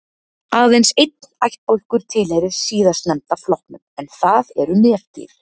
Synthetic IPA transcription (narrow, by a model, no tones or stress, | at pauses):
aːwðejnsejt̪̚najht̪̚powl̥kʏɾ̥t̪ʰɪlhejɾɪɾ̥siːðast̪nɛmt̪aflɔwhknʏmɛnθaðɛɾʏnɛ̥ːt̪ḭɾ̥